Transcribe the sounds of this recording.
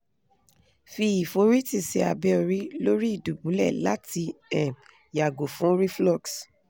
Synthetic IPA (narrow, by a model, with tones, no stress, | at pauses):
fi˧i˨fo˨˦ɾi˦ti˧˨sɛ˧a˨bɛ˦ɔ˧ɾi˦lo˦ɾi˦i˦˨du˨bũ˨˦lɛ˦˨la̰˨˦ti˧ɛ˨ | ja˨ɡo˨fũ˦ɾi˦flɔ˦˨ks